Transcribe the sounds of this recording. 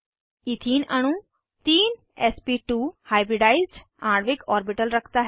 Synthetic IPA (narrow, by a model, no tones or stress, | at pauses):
ɪt̪ʰiːnəɽ̃ũ | t̪iːn | ɛːspiːʈuːhaːɪbɾɪɖaːizɖ | ãːɽʋɪkɔːɾbɪʈəlɾəkʰt̪aɦɛ